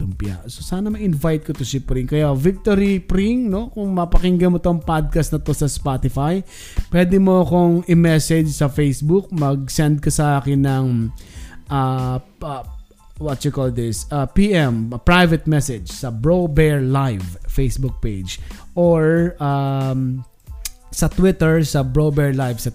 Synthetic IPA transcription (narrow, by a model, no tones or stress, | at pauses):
ʊŋpɪja̰ʔsosaːnɐmɐʔɪnvajt̪̚kɐt̪osɪpɾɪŋkɐjavɪk̚t̪oɾipɾiŋno̞kʊŋmɐpɐkɪŋɡɐmot̪oŋpad̪̚kɐst̪nɐt̪o̞sɐspat̪ɪfaj | pwɛːd̪ɛmokoŋɪmɛsɛd͡ʒsɐfejsbʊk̚mɐɡ̚sɛnd̪̚kɐsɐʔaːkɪnːɐŋ | ʔa | wɐt̪jʊkold̪ɪsɐpiːʔɛmpɹajvɛt̪̚mɛsɛd͡ʒsɐbɹobɛɹlajvfejsbʊk̚pejd͡ʒʔoɹa | sɐt̪wɪt̪ɛɹsɐbɹobɛɹlajvsɐ